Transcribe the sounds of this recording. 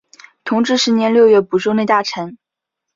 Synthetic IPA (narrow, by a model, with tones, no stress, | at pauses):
t̪ʰʊ˧˥ŋʈ͡ʂɻ̩˥ʂɻ̩˧˥njɛ˧˥nljo˥˧ʊɥɛ˥˩pu˨˩ʈ͡ʂo˥ne˥˧ɪt̪a˥˩ʈ͡ʂʰə˧˥n